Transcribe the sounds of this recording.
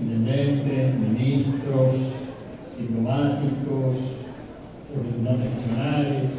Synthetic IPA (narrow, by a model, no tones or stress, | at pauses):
int̪end̪ent̪eminist̪ɾos | d̪̥iplomat̪ikos | sofsunant̪ekusjonaːɾos